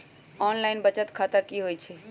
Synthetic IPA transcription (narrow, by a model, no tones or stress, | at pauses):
ɔnlaɪnbət͡ʃət̪kʰat̪akiɦojt͡ʃʰɛ